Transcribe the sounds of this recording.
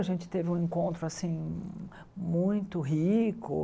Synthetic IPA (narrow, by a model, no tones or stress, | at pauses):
aʒẽnt͡ʃɪ̥t̪evɪũẽkõnt̪ɾʊasĩ | mũj̃t̪ʊɦikʊ̰